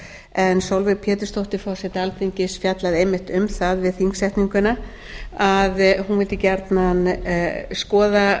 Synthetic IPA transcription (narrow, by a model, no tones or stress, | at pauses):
ɛnsowlvɪpʰjɛːt̪ɪst̪owht̪ɪfɔsɛt̪ɪalfʰiɲcɪsfjat̪laðejmːɪht̪ʏmθaðvɪðθiŋksɛjht̪niŋkʏna | aðhunvɪlt̪ɪcɛɾt̪nan | skɔːða